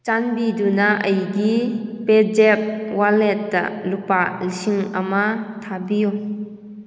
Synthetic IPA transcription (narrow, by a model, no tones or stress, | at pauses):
t͡ʃanbidunaʔəjɡiped͡ʒɛp̚walɛtːa̰ʔlupaʔlisiŋamatʰabijo